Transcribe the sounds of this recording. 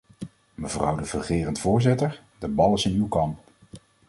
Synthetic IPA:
məvrʌ̰wdəvəχɪːrəntvʊːɹzɪtəɹ | dəbɑlˠɪsɪnywkɑmp

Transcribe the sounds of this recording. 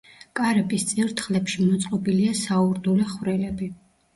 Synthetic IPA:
kʼaɾɛbist̪sʼiɾt̪ʰχlɛpʃimɔt̪sʼqʼɔbiliasauɾd̪ulɛχwɾɛlɛbi

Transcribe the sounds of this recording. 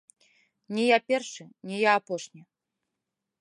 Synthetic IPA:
nʲɛjapʲɛrʂɨnʲɛjaːpɔʂnʲɛ

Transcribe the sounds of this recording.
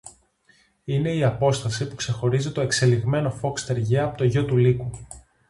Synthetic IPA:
ine̞iɐpo̞st̪ɐsipukse̞xo̞ɾizit̪o̞e̞kse̞liɣme̞no̞fo̞kst̪e̞ɾʝeɐpot̪oʝo̞t̪uliku

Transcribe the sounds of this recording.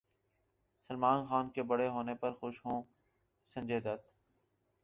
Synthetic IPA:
səlmaːnxaːnkebəɽeɦoːnepɐɾxʊʃɦõː | sə̃nd͡ʒeːd̪ət̪

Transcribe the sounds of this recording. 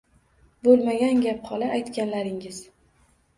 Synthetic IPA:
bolˠmaɡʲanɡʲapχɒlaʔajt̪kʲanlaɾɪŋɪz

